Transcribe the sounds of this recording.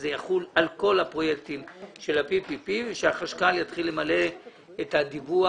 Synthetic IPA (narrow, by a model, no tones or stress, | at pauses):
zejaχulalko̞lhapʁo̞jek̚t̪imʃe̞lapipipiveʃeaχaʃkaljat̪χilːemale̞ː | t̪had̪ivua